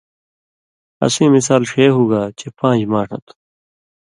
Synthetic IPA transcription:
ɐ̰sẽːmisaːlʂeːɦuːɡaːt͡ɕepãːd͡ʑmaːʈʰɐ̰t̪ʰ

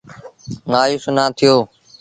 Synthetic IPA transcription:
ŋaːjuːsʊnãːt̪ʰɪjoː

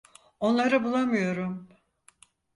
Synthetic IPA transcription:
o̞nlˠaɾɯbulˠamɯjo̞ɾum

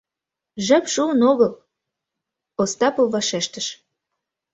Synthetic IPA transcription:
ʒæpʃuənoɣəl | ost̪ɑpovːɑʃeʃt̪əʃ

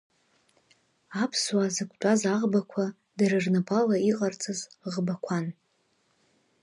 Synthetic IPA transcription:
apʰswazɨkʷʰʼtʷʼazaʁbakʷʰa | daɾɨrnabʰʼalaiqʼart͡sʼɨzʁbakʷʰan

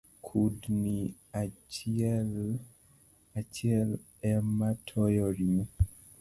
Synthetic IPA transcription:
kʰudni | a | l | at͡ʃɪɛl | ɛmatʰɔjɔɾimu

